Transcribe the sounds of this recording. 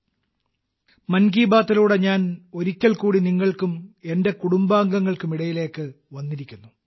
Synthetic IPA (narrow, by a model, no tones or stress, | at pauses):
mɐnɡiːbaːt̪ːɐluːɽeɲaːno̞ɾikʲːɐɭkuːɽiniŋːɐɭkume̞nde̞kuɽumbaːŋɡɐŋːɐɭkumiɽɐjile̞ːkːɨ | ʋɐnːiɾikʲːunːu